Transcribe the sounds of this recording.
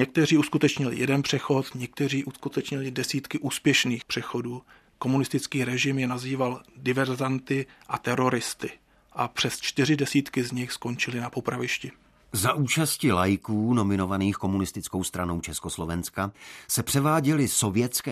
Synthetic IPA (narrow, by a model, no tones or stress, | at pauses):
ɲɛk̚t̪ɛriːuskut̪ɛt͡ʃɲɪlɪ̰jɛdɛnpr̥ɛxo̞t̪ɲɛk̚t̪ɛriːʔuskut̪ɛt͡ʃɲɪlɪdɛsiːt̪kɪʔuːspjɛʃniːxpr̥ɛxo̞duː | ko̞munɪst̪ɪt͡skiːɾɛʒɪmjɛnaziːvaldɪvɛɾzant̪ɪʔat̪ɛɾo̞ɾɪst̪ɪ | ʔapr̝̥ɛst͡ʃt̪ɪrɪdɛsiːt̪kɪzɲɪxsko̞ɲt͡ʃɪlɪnapo̞pɾavɪʃcɪ | zaʔuːt͡ʃascɪlajɪkuːno̞mɪnovaniːxko̞munɪst̪ɪt͡skowst̪ɾanowt͡ʃɛskoslovɛnskasɛpr̥ɛvaːɟɛlɪsovjɛt̪t͡skɛː